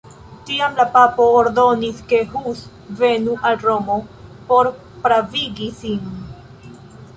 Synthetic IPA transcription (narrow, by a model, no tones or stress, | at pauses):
tiamlapapo̞ːɾdo̞niske̞ɦus | ve̞nuʔalɾo̞mo̞po̞ɾ | pɾaviɡisin